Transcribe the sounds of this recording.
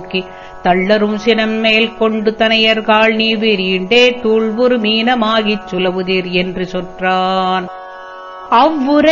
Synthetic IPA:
kːi | t̪ɐɭːɐɾɯmsɪnɐmːeːlkɔɳɖɯt̪ɐnɐjɐɾkaːɭniːbɪɾiɳɖeːt̪uːɭʋɯɾɯmiːnɐmaːɣɪt͡ʃːʊlɐʋɯðiːɾɛndrɯsɔnraːn | ɐʋːɯɾɐ

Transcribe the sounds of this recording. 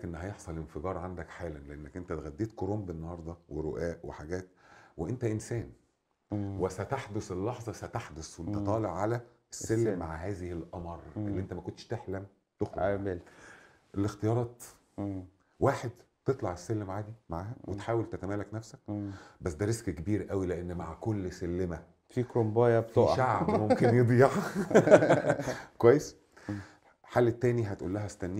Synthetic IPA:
kʔenːhæjeħsˤɑlʔenfeɡɑːɾˤʕand̪ækħaːlænleʔenːækʔent̪æt̪ɣæd̪ːeːt̪koɾoːmbenːɑhɑɾˤd̪ˤɑweɾoʔæːʔwḛħaɡæːt̪weʔent̪æʔensæːn | wesæt̪aħd̪oselːɑħzˤɑsæt̪aħd̪oswʔent̪æt̪ˤɑːleʕːalæ | esːælːmaʕaɦæːzehelʔɑmɑɾˤʔelːiʔent̪æmækont̪ʃt̪eħlæm | t̪oxɾl | ʔelːext̪ejɑːɾˤɑːt̪ | waːħed̪ | t̪et̪ˤlɑʕesːelːmaʕaːd̪imaʕaːhæwet̪ħaːwelt̪æt̪æmæːlæknæfsæk̚bæsːd̪æɾeskkebiːɾʔæwileʔenːma̰ʕkolːsælːemæ | fikɾombɑːjæbt̪oʃaʕbmomkenjed̪ˤiːʕ | kwæjːes | ħalːt̪ːæːniɦæt̪ʔṵːlːæɦæst̪ænːi

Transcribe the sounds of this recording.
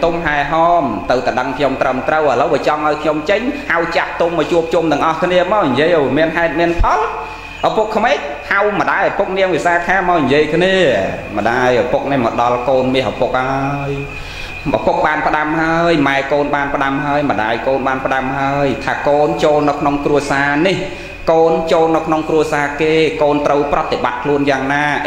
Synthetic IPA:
t̪umɦaɛɦɑːmt̪ɨwt̪aɗəŋkʰɲomt̪rəmt̪rəwʔələwɓiət͡ɕɑŋʔaɔjkʰɲomt͡ɕəɲhawt͡ɕap̚t̪umɔjt͡ɕuəp̚t͡ɕumt̪ɨ̆əŋʔɑhkʰniəmaːwɲjiəjʔawmiənɦaɛt̪̚miənpʰɑl | ʔapukʰːmeːc̚ | hawmə̆ɗaːjʔapuk̚niəŋʋisaːkʰaːmaɔwɲjiəjkʰniəməɗaːjʔapuk̚nihməɗɑlkoːnmiəhʔapuk̚haəj | ʔa̰puk̚ɓaːnpə̆ɗamɦaəjmaɛkoːnɓaːnpə̆ɗamɦaəjmə̆ɗa̰ːjkoːnɓaːnpə̆ɗamhaəjt̪ʰaːkoːnt͡ɕoːlnɨwkʰnoŋkruəsaːnih | koːnt͡ɕoːlnɨwkʰnoŋkruəsaːkeːkoːnt̪rəwprɑt̪ːeɓa̰t̪̚kʰluənjaːŋnaː

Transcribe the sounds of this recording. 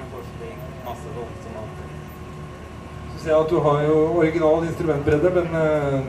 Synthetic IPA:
fɔʂt̪ɪ | mɑsːəd̪ɔsɔmɑ̰t̪ | ssæɑt̪̚d̪ʉɦɑɾjʊɔɾɪɡɪnɑːlt̪ɪnst̪ɾʉmɛnt̪bɾeːd̪əɾmɛn

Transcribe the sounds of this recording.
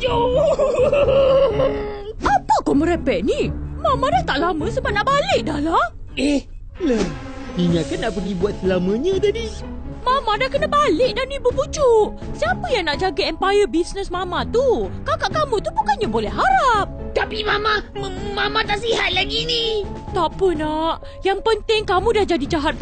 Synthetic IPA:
jo | ʔapəkɔmə̃ɾɛpɛʔ̚nimãmãdaht̪aʔlamə̃səbap̚naʔbalɪʔ̚dahlah | ɛh | lə | iɲãkanːaʔpəɡibuat̪̚səlamə̃ɲə̃dadi | mãmãdakənəbalɪk̚danibubud͡ʒuʔ | siapəjaŋnaʔd͡ʒaɡaɛmpajəbisnəsmãmãt̪ukawkaʔkamũt̪ubukanɲabolɛhɦaɾap̚t̪apimamamamãt̪aʔsiɦat̪̚laɡinit̪apənaʔ | jaŋpənt̪ɪŋkamũdahd͡ʒadid͡ʒaɦat̪̚ː

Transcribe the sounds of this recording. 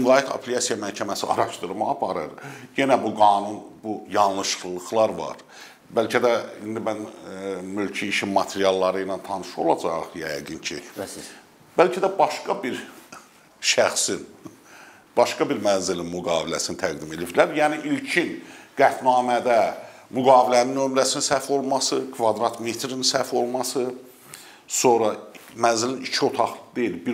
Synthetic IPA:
iŋlˠɑjikʰɑ̰pʰliɑsijɑmæɾcʰæmæsiɑ̰ɾɑʃt̪ɯɾmɑɑpʰɑɾɯɾje̞næbuɡɑːnunbujɑnlˠɯʃlˠɯlˠɯxlˠɑɾvɑ̰ɾ | bælcʰæd̪æind̪imænmylcʰiːʃimːɑt̪ʰeɾijɑlˠːɑɾɯjnɑnt̪ʰɑnɯʃo̞̰lˠɑd͡ʒɑχjæjɡɯncʰḭ | b̥ælcʰæd̪æbɑʃkɑbiɾ | ʃæxsin | b̥ɑʃkɑbiɾmænzilinmyɡɑːvilæsinit̪ʰæɡd̪ime̞lifilæɾjæːniʔilcʰinɡ̥æt̪nɑːmæd̪æmyɡɑːvilæninːømlæsininsæɾfo̞lˠmɑsɯkʰvɑd̪ɾɑt̪ʰmet̪ʰɾininsæfo̞lˠmɑsɯ | so̞nɾɑmænzilinit͡ʃʰio̞t̪ʰɑχd̪ejilbi

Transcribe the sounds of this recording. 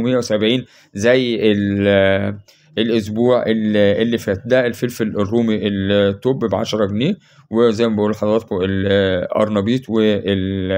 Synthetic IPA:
mejːæwesæbʕiːn | zæjːʔel | elʔos̬buːʕʔelelːifæːt̪̚d̪æelfelfelrːuːmiʔelt̪ːoːbbʕa̰ʃɑɾˤɑɡneː | wezæjːmæbæʔuːlħɑd̪ˤɾˤɑːt̪̚koelʔɑ̰ɾˤnɑbiːt̪weel

